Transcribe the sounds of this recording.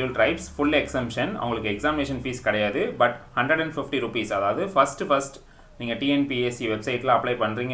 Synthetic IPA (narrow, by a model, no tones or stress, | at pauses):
lʈɾɐɪpsfʊɭːɛksɛmpʂɐnɐ̰ʋʊŋɡɐɭɯkːɯɛksaːmɪneːʂɐnfiːskɐɽɐjaːðɯbɐʈhɐɳɖɾɐɽɛ̃ɳɖfɪfʈiɾʊpiːsɐðaːʋɐðɯfɐsʈfɐsʈ | niːŋɡɐʈiːɛnpieːsiʋɛbsɐɪʈːlãːɐpːɭɐɪpɐɳːɾiːŋɡ